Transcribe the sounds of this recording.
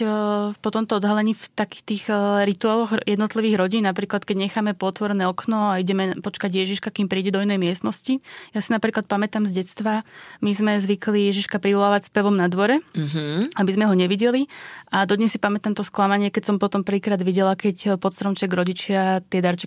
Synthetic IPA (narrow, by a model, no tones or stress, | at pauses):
pɔt̪ɔmt̪ɔɔd̪ɦalɛɲiːft̪aki̥xt̪iːxɾit̪uaːlɔɣjɛd̪nɔt̪liʋiːɣɾɔɟiːnnapɾiːklat̪kɛɟɲɛxaːmɛpɔt̪ʋɔɾɛnɛːɔknɔaiɟɛmɛpɔt͡ʃkaɟjɛʒiʃkakiːmpɾiːɟɛd̪ɔinɛjmɪɛst̪nɔscijasinapɾiːklˠat̪pamɛt̪amzɟɛt̪t͡st̪ʋamizmɛzʋiklijɛʒiʃkapɾiʋɔlaːʋacspɛʋɔmnad̪ʋɔɾɛɦabizmɛɦɔɲɛʋiɟɛliʔad̪ɔd̪ɲɛsːipamɛt̪amt̪ɔsklamaɲɪɛkɛcsɔmpɔt̪ɔmpr̩ʋiːkɾaːd̪ʋiɟɛlakɛcpɔt̪st̪ɾɔmt͡ʃɛɡɾɔɟit͡ʃɪat̪ɪɛd̪aɾt͡ʃɛ̥